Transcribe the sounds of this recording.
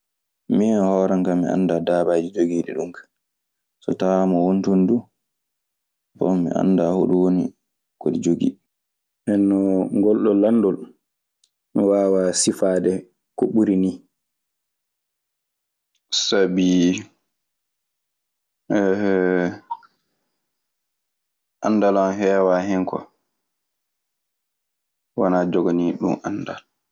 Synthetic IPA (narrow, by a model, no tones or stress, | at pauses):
mihɔːɾaŋkamḭa̰nːdadaːbad͡ʒid͡ʒoɡiːɗɛ̰ɗumkḁ | sɔ̰tamɔwontondu | bɔ̰mːḭʔa̰nːdaho̰ɗuwonḭ | koɗid͡ʒoɡḭ | ʔɛnːɔŋɡɔlɗɔlandɔl | miwaːwasifaːdɛ | kɔɓuɾini | sabi | ʔandalanɦɛːwaɦɛŋkɔ̰ | wanaːd͡ʒɔɡaniɗṵmanːda̰l